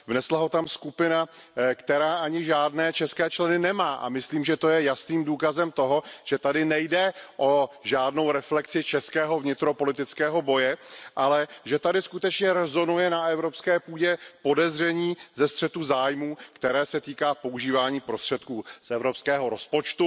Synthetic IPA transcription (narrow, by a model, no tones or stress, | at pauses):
vnɛslaɦo̞t̪amskupɪna | kt̪ɛɾaːʔaɲɪʒaːdnɛːt͡ʃɛskɛːt͡ʃlɛnɪnɛmaːʔa̰mɪsliːmʒɛt̪o̞jɛjasniːmduːkazɛmt̪o̞ɦo̞ʒ̥ɛt̪adɪnɛjdɛʔo̞ʒaːdno̞wɾɛflɛksɪt͡ʃɛskɛːɦo̞vɲɪt̪ɾo̞po̞lɪt̪ɪt͡skɛːɦo̞bo̞jɛʔalɛʒɛt̪adɪskut̪ɛt͡ʃɲɛɾɛzo̞nujɛnaʔɛvɾo̞pskɛːpuːɟɛpo̞dɛzrɛɲiːzɛst̪r̥ɛt̪uzaːjmuːkt̪ɛɾɛːsɛt̪iːkaːpo̞uʒiːvaːɲiːpɾost̪r̝̥ɛt̪̚kuːsʔɛvɾo̞pskɛːɦo̞ɾo̞spo̞t͡ʃt̪u